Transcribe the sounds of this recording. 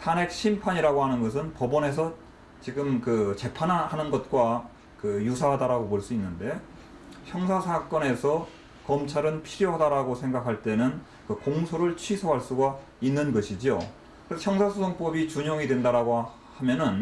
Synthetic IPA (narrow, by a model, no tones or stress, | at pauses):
tʰane̞k̚ɕʰimpʰaɲiɾaɡoɦanɯnɡʌs̬ʰɯnpʌbʌne̞s̬ʰʌ | t͡ɕiɡɯmkɯt͡ɕe̞pʰanahanɯnɡʌt̚k͈wa | kɯjus̬ʰaɦadaɾaɡopoɭs͈uinːɯnde̞ | çjʌŋsʰasʰak͈ʌne̞sʰʌ | kʌmt͡ɕʰaɾɯnpʰiɾjoɦadaɾaɡosʰe̞ŋɡakʰaɭt͈e̞nɯn | kɯkoŋsʰoɾɯɭt͡ɕʰɥisʰoɦaɭs͈uɡa | inːɯnɡʌɕʰid͡ʑio | kɯɾeçjʌŋsʰasʰusʰʌŋp͈ʌbit͡ɕuɲoŋidwendaɾaɡo | hamjʌnɯn